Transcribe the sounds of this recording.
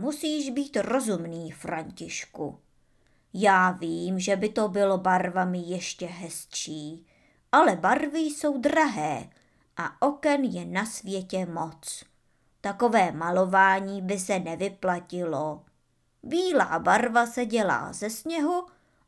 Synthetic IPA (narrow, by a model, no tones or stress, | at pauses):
musiːʒbiːt̪ro̞zumniːfɾaɲcɪʃkṵ | jaːviːmʒɛbɪt̪o̞bɪlobaɾvamɪjɛʃcɛɦɛst͡ʃiː | ʔalɛbaɾvɪjso̞wd̪ɾaɦɛː | ʔaʔo̞kɛnjɛnasvjɛcɛmo̞t͡s | t̪ako̞vɛːmalo̞vaːɲiːbɪsɛnɛvɪplacɪlo̞ | biːla̰ːbaɾvasɛɟɛla̰ːzɛsɲɛɦu